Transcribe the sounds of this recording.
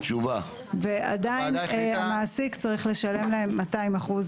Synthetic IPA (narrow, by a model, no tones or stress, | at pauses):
t͡ʃuva | vea̰dainamaːsikt͡saʁiχle̞ʃale̞mlahe̞mːataimaχuz